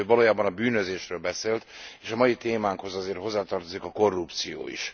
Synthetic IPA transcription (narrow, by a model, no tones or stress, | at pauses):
øvɒloːjaːbɒnɒbyːnøzeːʃrøːlbɛseːlt̪eːʃɒmɒjit̪eːmaːŋkho̞zɒzeːrt̪ɦo̞zːaːt̪ɒrt̪o̞zikɒko̞rːupt̪sijo̰ːḭʃ